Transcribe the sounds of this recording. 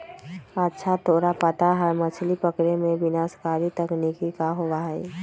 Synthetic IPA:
ətːʃʰat̪ʰoːɾapət̪aɦəɾmət͡ʃʰlipəkɽemẽbɪnaːskaːɾit̪əknɪkikaɦowaɦɛ̰ː

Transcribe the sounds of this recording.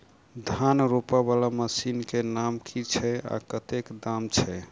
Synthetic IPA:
d̪ʱanɾopaβalaməsinkenamkʰit͡ʃʰɛa̰kət̪ekd̪amt͡ʃʰɛ

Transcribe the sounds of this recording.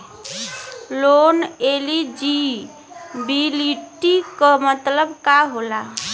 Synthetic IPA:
lonelid͡ʒi | biliʈːikəmət̪ləbkaɦola

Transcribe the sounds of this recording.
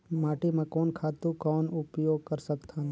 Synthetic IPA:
maːʈimẽkɔːnkʰaːt̪ukɔːnʊpjoːɡ̚kəɾsəkt̪ʰa

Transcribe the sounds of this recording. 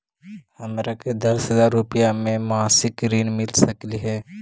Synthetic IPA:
ɐmɾaked̪ɐsɦəzaːɾːʊpijamẽmaːsɪkɾiːnmɪlsɐkliɦɛː

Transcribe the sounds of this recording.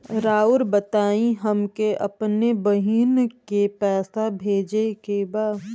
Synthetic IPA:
ɾaːʊɾbət̪aːĩɦəmkeʔɐpnebəɦiːnkepɛːsabʱeːd͡ʒekebaː

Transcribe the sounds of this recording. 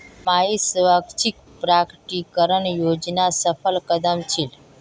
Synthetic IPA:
maisʋaɡt͡ʃik̚ | pɾakʈikəɾəɳjod͡ʒnasəfʰəlkəd̪əmt͡ʃʰil

